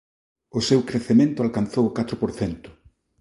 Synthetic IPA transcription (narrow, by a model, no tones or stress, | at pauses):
ʊsewkɾeθemẽnt̪ʊalkanθowʊkat̪ɾʊpoɾθent̪ʊ̥